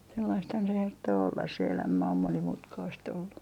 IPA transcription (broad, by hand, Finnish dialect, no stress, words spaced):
selːɑisthɑn se hertːoː olːɑs se elæmæ om monimutkɑist olːu